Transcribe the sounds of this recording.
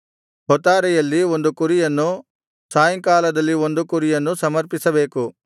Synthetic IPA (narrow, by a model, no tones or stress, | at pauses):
ɦɔt̪aːɾɛjɐlːiond̪ukuɾijɐnːu | saːjɐŋkaːlɐd̪ɐlːiond̪ukuɾijɐnːusɐmɐɾpisɐbeːku